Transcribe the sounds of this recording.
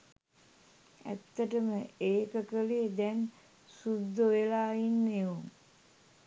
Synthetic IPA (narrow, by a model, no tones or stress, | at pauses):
æ̰t̪ːəʈəməeːkəkəlijəd̪ɛn | sud̪ːoʋelaːinːeʋum